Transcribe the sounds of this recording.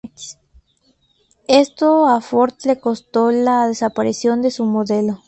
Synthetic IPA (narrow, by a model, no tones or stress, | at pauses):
e̞st̪oafo̞ɾt̪le̞ko̞st̪o̞laðe̞sapaɾisjo̞nd̪e̞sumo̞ðe̞lo̞